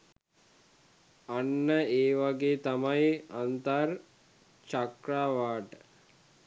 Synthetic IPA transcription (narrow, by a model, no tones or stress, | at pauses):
anːəeːʋaɡeːt̪amajant̪ar | t͡ʃakɾaːʋaːʈə